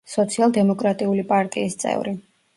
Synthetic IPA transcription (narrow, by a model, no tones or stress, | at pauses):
sɔt̪sʰialˠd̪ɛmɔkʼɾat̪ʼiulipʼaɾt̪ʼḭːst̪sʼɛ̰vɾi